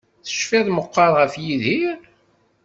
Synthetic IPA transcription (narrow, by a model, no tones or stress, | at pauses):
θə̥ʃfɪðˤməqːɑɾˤʁəfjiðhiɾ